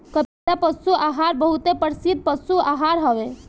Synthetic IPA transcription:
kə | apəsuaɦaɾbəɦut̪epəɾsid̪̚pəsuaɦaɾɦəʋe

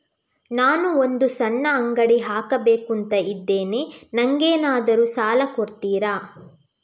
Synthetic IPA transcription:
naːnuond̪usɐnːɐːŋɡɐɽiɦaːkɐbeːkunt̪ɐid̪ːe̞ːne̞nɐŋɡeːnaːd̪ɐɾusaːlɐkoɾt̪iːɾaː

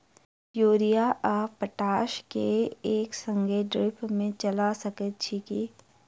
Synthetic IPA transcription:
pjoːɾijaʔaːpəʈaːʃkeeːksə̃ŋɡʱeɖɾɪpmẽt͡ʃɐlasəkət̪̚t͡ʃʰiki

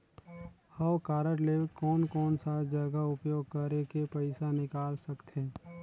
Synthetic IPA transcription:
həwkaːɾəɾlekɔːnkɔːnsad͡ʒəɡaʊpjoːɡ̚kəɾekepəɪsanɪkaːlsəkt̪eː

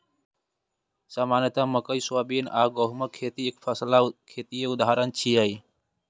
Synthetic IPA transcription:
saːmaːnət̪ãːməkəisaːbiːnaːɡoːɦməkʰeːt̪iːɪkfʰəslakʰeːt̪ijeʊd̪ʱaːɾənt͡ʃʰiːaːiː

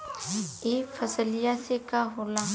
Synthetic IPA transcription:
eːfɐsəlɪjasekaɦoːlaː

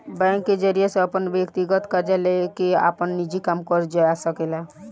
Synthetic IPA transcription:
bɛ̃ŋkːed͡ʒəɾijesẽəpənʋjəkt̪iɡət̪kəɾd͡ʒalekea̰pənːid͡ʒikamkəɾd͡ʒəjasəkela

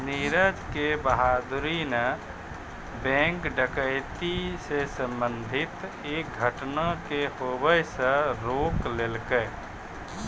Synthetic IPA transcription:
niɾəd͡ʒkebəɦaːd̪ʊɾinə | bɛ̃ːŋkɖəkəɪt̪isesə̃mbənd̪ʱɪt̪ | eːk̚ɡʱəʈnakehoːbəjsəɾoːklelkə

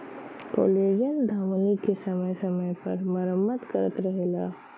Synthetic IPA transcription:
po̰ːleːd͡ʒənd̪ʱaːməlikesɐməjsɐməjpɐɾməɾəmːət̪kəɾət̪ɾɐɦeːɡa̰ː

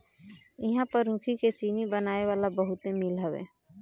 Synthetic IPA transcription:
ɪɦãpəɾũkʰiket͡ʃiːnibənaːeʋaːlabəɦʊt̪emɪlɦəwḛː

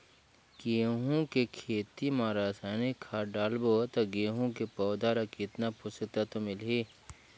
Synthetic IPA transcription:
ɡeːɦũkekʰeːt̪imaːɾaːsaːnikʰaːɖaːlboːt̪ɐɡeːɦũkepɔːd̪aɾɐkit̪napʰʊsək̚t̪at̪omɪlɦeː

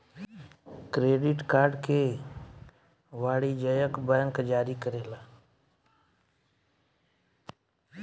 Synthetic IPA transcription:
kɾeːɖɪʈkaːɾɖke | ʋaːɽid͡ʒəjəkbəjəŋkd͡ʒaːɾikəɾeːlaː

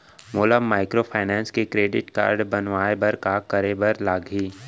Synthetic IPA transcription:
moːlamaːɪkɾopʰaːnɛːnskekɾeːɖɪʈka̰ːɾɖbɐnʋaːebɐɾkakɐɾeːbəɾlaːɡʱiː

